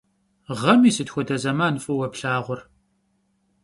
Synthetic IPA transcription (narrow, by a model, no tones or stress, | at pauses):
ʁɐmiːsɨtxʷɔdɐzɐmaːnfʼɨwɐpɬaːʁʷʊr